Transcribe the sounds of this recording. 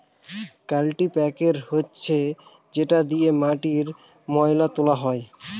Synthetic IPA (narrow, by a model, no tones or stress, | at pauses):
kalʈipɛkeɾhotːɕʰe | d͡ʑeʈad̪ijemaʈiɾ | mɔjlat̪olaɦɔe